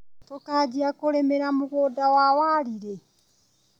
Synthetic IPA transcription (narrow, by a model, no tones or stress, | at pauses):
tokad͡ʒiakoɾemeɾamuɣoːdawawaːɾiɾe